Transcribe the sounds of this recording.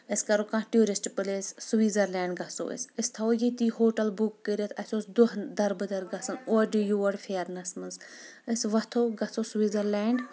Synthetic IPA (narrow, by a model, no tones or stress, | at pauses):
əskɐɾokãʈjuːɾisʈpɨlessuʋiːzɐɾlɛːɳɖɡɐso̰ːḭsist̪ʰɐojit̪iːhoːʈɐlbukːəɾɐt̪ʰɐsʲoːsd̪uɦd̪ɐɾbɨd̪ɐɾɡɐsɐnoːɖijuʋɐɽfʰeːɐɾnɐsmɨnzəsʋɐt̪ʰoːɡɐt͡sosʋiːzɐɾlɛːɳɖ